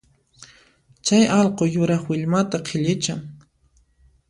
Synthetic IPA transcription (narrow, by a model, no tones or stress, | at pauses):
t͡ʃajɑlqojʊɾɑχwɪʎmat̪aqʰɪʎɪt͡ʃaŋ